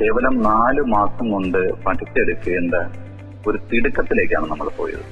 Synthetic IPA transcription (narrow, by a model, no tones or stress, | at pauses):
ke̞ːʋɐlɐmnaːlɨmaːsɐmko̞ɳɖɨpɐʈit̪ːeɽukːɐɣeɳɖɐ | o̞ɾut̪iɽukːɐt̪ːile̞ːk̬ʲːa̰ːɳɨnɐmːɐɭpoːjɐ̰ðɨ̰